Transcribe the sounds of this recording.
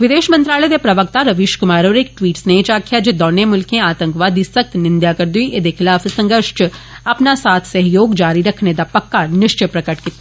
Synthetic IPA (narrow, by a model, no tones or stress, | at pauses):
ʋɪd̪eːʃmɐ̃nt̪ɾaːləd̪epɾɐʋəkt̪aɾɐʋɪʃkʊmaːɾoːɾek̚ʈʋiːʈsnet͡ʃaːkʰjad͡ʒed̪ɔːnemʊlkẽaːt̪ə̃ŋkʋaːd̪isɐk̚t̪nɪ̃nd̪jakɐɾd̪uiʔed̪exɪlaːfsɐ̃ŋɡəɾʃt͡ʃ | ɐpnasaːt̪ʰsɐɦjoːɡd͡ʒaːɾiɾɐkʰned̪apɐkːanɪʃt͡ʃəjpɾɐkəʈkɪt̪ːa